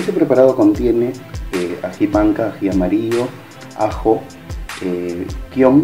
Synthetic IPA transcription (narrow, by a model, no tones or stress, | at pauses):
esepɾepaɾaðokont̪jeneeaxiβaŋkaːxiamaɾiʎo | a̰xo | ekjom